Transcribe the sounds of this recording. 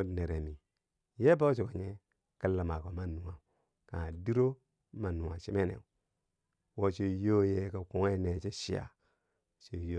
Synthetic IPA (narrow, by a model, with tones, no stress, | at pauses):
o˦˨ne˨ɾe˨mi˨ | je˦ba˦wo˦t͡ʃi˨ko˨ɲe˦ | ka˦lːa˨ma˨ko˨ma˦˨nu˨wa˨ | ka˨a˨di˦ɾo˦ | ma˨nu˨a˨t͡ʃi˦me˦nḛ˨ | wo˦t͡ʃe˦jo˦je˦ka˨ku˨ŋe˦ne˨t͡ʃe˦ʃḭ˦a̰˨ | t͡ʃe˦jo˦